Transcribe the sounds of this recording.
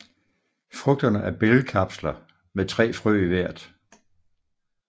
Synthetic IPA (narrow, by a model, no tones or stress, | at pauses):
fʁɔɡ̥̚d̥ɐnəʔæɐb̥eləkʰɑb̥slɐ | met͡sʰʁɛ̰ːfʁœ̰ːiʋæɐ̰d̥